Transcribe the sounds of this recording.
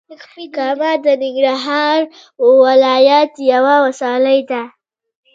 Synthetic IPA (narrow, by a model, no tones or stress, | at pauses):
akfikɑmad̪ənɪŋɡɾaɦɑɾ | wɪlɑjat̪jawawasɑlajd̪a